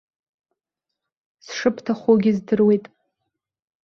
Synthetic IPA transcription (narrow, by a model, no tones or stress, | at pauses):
sʂɨpʰtʰaχʷoɡʲizdɨrwe̞jtʼ